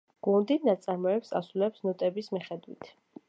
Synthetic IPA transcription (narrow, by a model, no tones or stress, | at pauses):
ɡ̥und̪inat̪sʼaɾmɔɛpsa̰sulɛpsnɔt̪ʼɛbismiχɛd̪wḭt̪ʰ